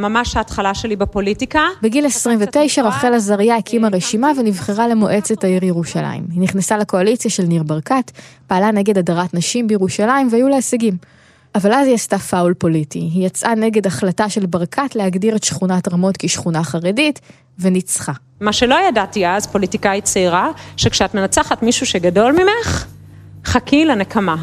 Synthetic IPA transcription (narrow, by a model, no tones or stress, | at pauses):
mamaʃhaːtχalaʃelibapolitikabeɡilesʁimvete̞jʃaʁaχelazaʁjakʰimaʁe̞ʃimavenivχeʁale̞moʔe̞t͡setaiʁjeʁuʃala̰ḭmhiniχnesaleko̞alit͡sjaʃelniʁbaʁkatpaːlane̞ɡe̞dadaʁatnaʃimbejeʁuʃalaimvehajuleeseɡim | ʔavalazijastafaulpo̞litiɦijat͡sʔane̞ɡe̞daχlataʃe̞lbaʁkʰatlehaɡdiʁe̞tʃχunatʁamo̞tkiʃχunaχaʁedit | venit͡sχa | maʃelo̞jadatiazpo̞litikait͡saiʁaʃekʃeatmenat͡saχatmiʃuʃeɡado̞lmimeχ | χakʰilanekʰama